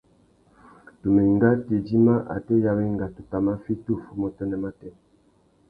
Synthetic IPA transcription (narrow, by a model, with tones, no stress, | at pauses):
tu˨me˨i˨ŋɡa˦ti˨d͡ʒi˦ma˦ʔa̰˨tɛ˦ja˨βɛ˦i˦ŋɡa˨tu˨ta˨ma˦fi˦tu˦˨fu˨mɔ˨tɔ˦nɛ˨ma˦tɛ˦˨